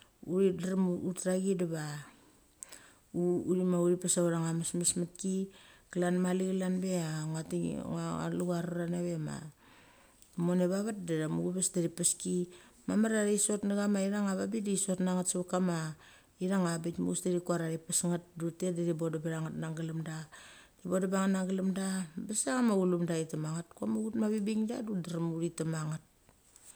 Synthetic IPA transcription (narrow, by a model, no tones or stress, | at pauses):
uɾidaɾmutɾaɡidaβa | uuɾimauɾipasauɾaŋamasmasmatkikalanmalikalanbe̞aŋatḭŋaa̰luɡaɾuɾaneβe̞ma̰ | moneβaβat̚daɾamuɡupasdaɾipaski | mamaɾaɾiso̞tnaɡamaiɾaŋaβabidiso̞tnaŋatsaβakama | iɾaŋabitmuusdaɾikuaɾaɾipasŋat̚dutedadibodabaɾaŋatnaŋɡalamdadibodabaŋatnaŋɡalamdabesaŋamaɡulumdaitamaŋatkamaɡutmaβibiŋdadudaɾamuɾitamaŋat̚